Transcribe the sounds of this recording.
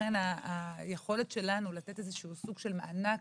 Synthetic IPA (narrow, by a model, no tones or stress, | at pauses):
anaːjeχo̞le̞tʃe̞lanulat̪e̞tezeʃuusuɡʃe̞lmeʔana